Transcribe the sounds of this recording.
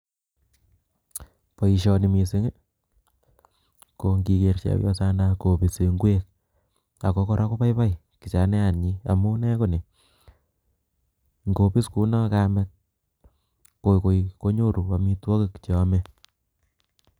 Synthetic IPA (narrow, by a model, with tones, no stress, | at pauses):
pɔ˨i˨ʃɔ˧ni˨mi˨se˦ŋe˦ | ko˨ŋɡi˧ke˨ɾt͡ʃa̰˦wjɔ̰˦sa˦na˦ko˨pi˨se˨ŋɡwe˦k̚ | a˨ko˦ko˦ɾʔa˦ko˦pa˦jpa˦j | ki˨t͡ʃa˨nɛ˦a˨nɲi˦a̰˨mu˦nɛ˦ko˦ne˨ | ŋɡo˨pi˦sku˦nɔ˦ka˦mɛ˦t̚ | ko˨ko˨ko˦ɲo˦ɾu˨pa˨mi˦twɔ˦ke˦kt͡ʃɔ˦mɛ˦